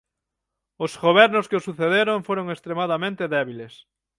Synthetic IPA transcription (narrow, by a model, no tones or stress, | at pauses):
ʊsɣoβɛɾnʊskeosuθeðeɾoɱfoɾoŋest̪ɾemaðamẽnt̪eðɛβiles